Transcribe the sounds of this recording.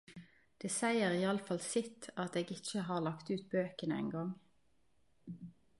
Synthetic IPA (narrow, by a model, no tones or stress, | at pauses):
d̪̥eːsæɪəʁiːɑləfɑlsɪt̪ɑt̪eːɡɪt͡ʃəɦɑːʁlɑkt̪ʉːt̪̚bøːkənəɛ̰ɪŋɡɑŋ